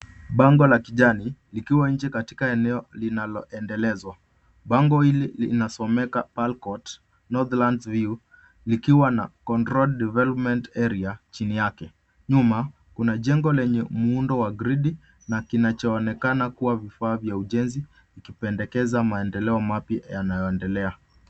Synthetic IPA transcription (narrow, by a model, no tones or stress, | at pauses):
ɓaŋɡɔlakiʄanilikiwaɲ̩d͡ʒɛkati̥kaɛnɛɔlinalɔʔɛndɛlɛzwa | ɓaŋɡɔhililḭnasɔmɛkapalkɔt | nɔðlandviu | likiwana̰kɔntɾɔldɛvɛlɔpmɛntɛɾiat͡ʃinijakɛ | ɲuma | kunaʄɛŋɡɔlɛɲɛmuundɔwaɡɾiɗi | nakinat͡ʃɔːnɛkanakuwavifaːvjauʄɛnzi | ikipɛndɛkɛzamaɛndɛlɛɔmapjajanajɔɛndɛlɛa